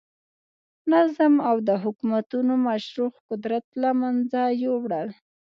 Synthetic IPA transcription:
nazamawd̪əɦʊkumat̪unomaʃɾuxqʊd̪ɾat̪lamand͡zajowɽəl

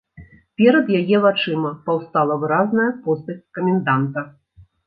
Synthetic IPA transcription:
pʲɛɾɐd̪jajɛvat͡ʂɨmɐpɐwst̪alˠɐvɨɾaznɐjɐpɔst̪ɐt͡sʲkɐmʲɛnd̪ant̪ɐ

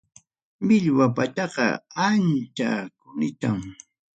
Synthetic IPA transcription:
mɪʎwapat̪ɑɢɑ̰ant͡ʃa̰kʊnɪt̪am

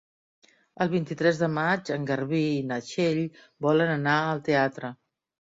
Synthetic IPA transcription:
əlˠβint̪it̪ɾɛzðəmad͡ʒəŋɡəɾβiːnəʃeʎ | bɔlənənaəlˠt̪eat̪ɾə

